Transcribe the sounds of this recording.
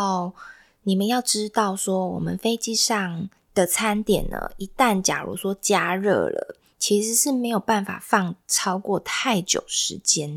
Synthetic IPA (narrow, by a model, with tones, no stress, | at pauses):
ni˨˩mə˦njɑ˥˩ʊʈ͡ʂɻ̩˥t̪ɑ˥˩ʊswɔ˦˥wɔ̰˨˩mə˨˦nfe˥ɪt͡ɕi˥˧ʂɑ˥˩ŋ | d̪̥ə˨t͡sʰa˥nt̪jɛ˨˩nə̰˩ʔi˧t̪a˥˩nt͡ɕja̰˨˩ɻṵ˧˥swɔ˥t͡ɕja˥ɻɤ̰˥˩lə̰˩ | t͡ɕʰi˧˥ʂɻ̩˧˥˦ʂɻ̩˥˩me˧˥ɪjo˨˩ʊpa˥˩nfa̰˨˩fɑ˥˧ŋʈ͡ʂʰɑ˥ʊkwɔ˥˨˩t̪ʰa˥˩ɪt͡ɕjo̰˨˩ʊʂɻ̩˧˦t͡ɕjɛ˦˥n